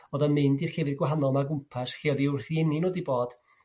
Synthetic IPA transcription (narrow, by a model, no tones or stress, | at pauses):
ɔðəmɨndirkevɨðɡwaɦanɔlˠmaɡʊmpʰasχiːɔðɪwrr̥iɛninoːdiboːd̥